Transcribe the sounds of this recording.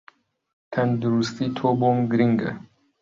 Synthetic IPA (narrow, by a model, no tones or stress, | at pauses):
t̪ʰɐnd̪uɾust̪it̪ʰoːboːmɡɾiŋɡɐ̰